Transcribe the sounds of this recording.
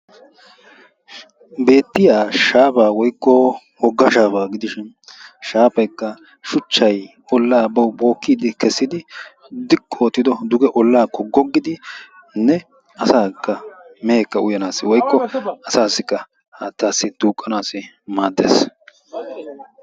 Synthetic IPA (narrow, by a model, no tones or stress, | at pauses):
be̞ːt̪ːɪjaːʃaːpaːwɔjkːɔ | wɔɡːɐʃaːpaːɡɪd̪ɪʃɪn | ʃaːpɐjkːɐ | ʃʊt͡ʃːɐj | ɔlːaːbɐwbo̞ːkːiːd̪ɪkɛsːɪd̪ɪ | d̪ɪkʼːɔːt̪ːɪd̪ɔd̪ʊɡɛʔɔlːaːkːɔɡɔɡːɪd̪ɪ | nɛ | ɐsaːkːɐmɛeːkːɐʊjɐnaːsːɪwɔjkːɔɐsaːsːɪkːɐ | haːt̪ːaːsːɪt̪uːkʼːɐnaːsɪ | maːd̪ːḛːs